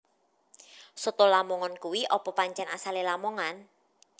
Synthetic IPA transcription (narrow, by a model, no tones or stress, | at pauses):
sət̪olamɔŋɔnkuwiʔɔpɔpaɲt͡ʃɛnasalelamɔŋan